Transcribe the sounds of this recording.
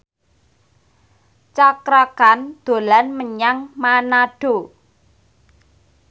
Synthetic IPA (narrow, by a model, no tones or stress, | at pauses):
t͡ʃakɾakand̪̥o̤lanməɲaŋmanaɖ̥o̤